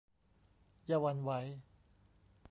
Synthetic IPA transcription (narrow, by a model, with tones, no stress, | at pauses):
jaː˧wa˧nwa˦˥j